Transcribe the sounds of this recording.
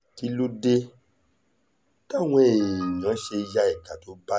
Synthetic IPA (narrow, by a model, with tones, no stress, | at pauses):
ki˨˦lo˦de˧ | ta˦˨w̃ɔ̃˧e˨jã˨˦ʃe˧ja˦i˦˨ka˨to˨˦ba˦